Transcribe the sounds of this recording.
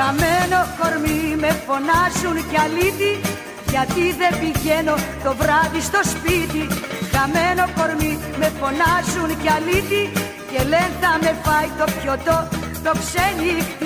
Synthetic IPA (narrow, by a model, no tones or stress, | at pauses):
ɐmeno̞xo̞ɾmime̞fo̞nɐzunceɐlit̪i | ʝɐt̪iðe̞mbiʝe̞no̞t̪o̞vɾɐðist̪o̞spit̪iɣɐme̞no̞ko̞ɾmi | me̞fo̞nɐzunceɐlit̪i | ce̞le̞nθɐme̞pɐjt̪o̞pço̞t̪o̞ | t̪o̞ksenikt̪i